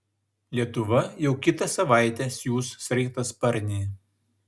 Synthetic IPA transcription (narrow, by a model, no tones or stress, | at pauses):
lʲiɛt̪ʊʋɐjɛʊkʲɪt̪ɐsɐʋɑˑɪt̪ʲeːsjuːsːʲɾʲɛɪkt̪ɐspɐɾʲnʲiː